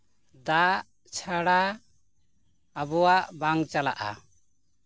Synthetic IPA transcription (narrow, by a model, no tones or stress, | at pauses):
d̪aʔ | t͡ʃʰaɽa | abɔwaʔbaŋt͡ʃala̰ʔa̰